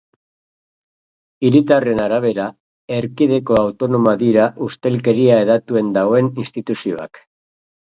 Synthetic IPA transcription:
iɾit̪are̞naɾaβ̞e̞ɾa | e̞ɾkiðe̞ko̞awt̪o̞no̞maðiɾaʔust̪e̞lke̞ɾiaeðat̪ue̞nd̪aɣoeninst̪it̪usio̞a̰k

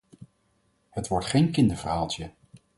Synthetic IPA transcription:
hətʋɔɹtχejnkɪndəɹv̥əɹɦaːlˠtə

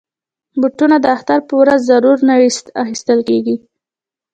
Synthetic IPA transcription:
buʈunad̪əaxt̪aɾpəwɾazːaɾuɾnaɽist̪axist̪əlkeɡi

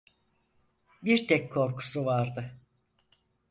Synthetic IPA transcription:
biɾt̪ʰɛkkʰːo̞ɾkʰu̥suvaɾd̪ɯ

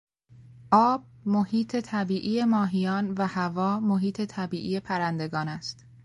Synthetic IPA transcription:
ʔɒːb̥̚mohiːt̪ʰe̞t̪ʰæbiːʔije̞mɒːɦijɒːnvæhævɒːmoɦiːt̪ʰe̞t̪ʰæbiːʔiːje̞pʰæɾænd̪e̞ɡɒːnæst̪

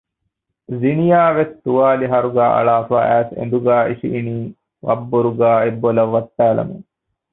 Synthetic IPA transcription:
zinijaːʋest̪uʋaːliɦɐɾuɡæːʔɐ̰ɭaːfa̰ːʔæːsḛnd̪uɡæːiʃḭʔːniː | ʋɐ̰bːoɾuɡaːebːolɐʋːɐt̪ːæːlɐ̰mḛŋ

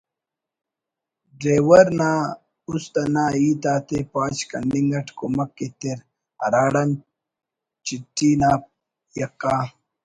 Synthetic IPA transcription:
ɖɾeːwɐɾnaː | ust̪ɐnaːiːt̪aːt̪epaːt͡ɕkɐ̰ɳɖiŋɡɐʈkomɐkːet̪eɾ | ɐɾaːɽɐn | t͡ɕiʈːiːnaːp̚ | jɐkːaː

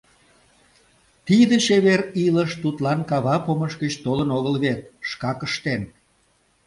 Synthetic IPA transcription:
t̪id̪ət͡ɕeβeɾiləʃt̪ut̪lɑnkɑβɑpoməʃɡət͡ɕt̪olənoɣəlβet̪̚ʃkɑkəʃt̪en

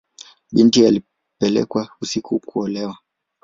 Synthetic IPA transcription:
ɓintiali | pɛlɛ̰kwausikukʰuɔlɛwa

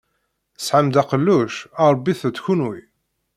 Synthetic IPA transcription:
sʕamd̪æqəlːuʃɑɾˤbːiθəd̪çunwi

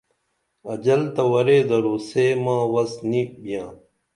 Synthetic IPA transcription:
ɐd͡ʑɐlt̪ɐwɐɾeːd̪ɐɾoːseːmãːwɐsnibijãː

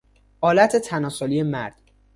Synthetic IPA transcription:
ʔɒːlæt̪ʰet̪ʰænɒːsolije̞mæ̰ɾd̪̥

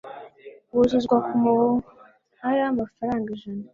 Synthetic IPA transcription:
wozuzɡwakumoo | haɾamafaɾaːŋɡaʒana

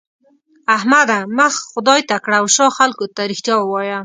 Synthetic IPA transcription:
ahmad̪aməxxʊd̪ɑjt̪akɽawʃɑxalkot̪aɾɪxt̪jɑwəwɑja

